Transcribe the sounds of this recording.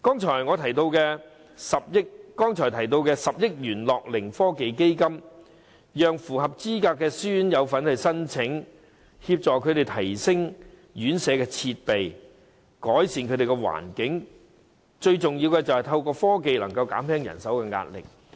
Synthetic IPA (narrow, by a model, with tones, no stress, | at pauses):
kɔː˥ŋt͡ʃʰɔː˨˩jŋɔː˨˧t̪ʰɐ˨˩jt̪o˧wkɛː˧ | sɐ˨p̚jɪ˥k̚kɔː˥ŋt͡ʃʰɔː˨˩t̪ʰɐ˨˩jt̪̬o˧wkɛː˧sɐ˨p̚jɪ˥k̚jyː˨˩nlɔː˨k̚lɪ˨˩ŋfɔː˥ke˨jke˥jkɐ˥m | jœː˨ŋfuː˨˩ɦɐ˨p̚t͡siː˥kaː˧kːɛː˧syː˥njɐ˨˧wfɐ˨˥nhɐ˨jsɐ˥nt͡sʰɪ˨˥ŋ | hiː˧p̚t͡sɔː˨˩kʰɵ˨˧ɥɾe˨jt̪ʰɐ˨˩jsɪ˥ŋ | jyː˨˥nsɛː˨˧kɛː˧t͡sʰiː˧t̚pe˨j | kɔː˨˥jsiː˨nkʰɵ˨˧˥ɾe˨jkɛ˧wa̰ː˨˩nkɪ˨˥ŋ | t͡ʃɵ˧ɥt͡sʊ˨ŋjiː˧wkɛː˧t͡sɐ˨whɐ˨jt̪ʰɐ˧wkɔː˧fɔː˥ke˨jlɐ̰˨˩ŋkɐ˧wka̰ː˨˥mhɛː˥ŋjɐ̰˨˩nsɐ˨˥wkɛː˧ŋa̰ː˧t̚lɪ̰˨k̚